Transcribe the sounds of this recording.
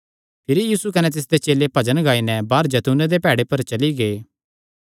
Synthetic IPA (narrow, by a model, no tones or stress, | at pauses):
pʰɪɾijiːsukɐnɛt̪̬ɪs̬d̪et͡ʃeːlepɐd͡ʒənɡaːinɛbaːɾd͡ʒɐt̪uːned̪epɛːɽepɐɾt͡ʃɐliɡeː